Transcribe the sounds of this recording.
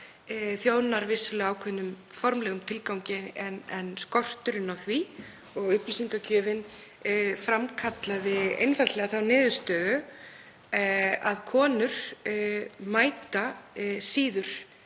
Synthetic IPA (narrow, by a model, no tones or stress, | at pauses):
θjoːwnaɾvɪsʏlɛaːwkʰvɛːnːʏm | fɔɾmlɛɣʏmt̪ʰɪlkawɲcɪɛnɛnskɔr̥t̪ʏɾɪnawθvi | ɔɣʏhplisiŋkacʰœːvɪn | fɾamkʰat̪laðɪḛjnfat̪lɛɣaθawnɪːðʏ̥st̪œːðʏ | aðkʰɔːnʏɾ̥ | maːjt̪asiːðʏɾ̥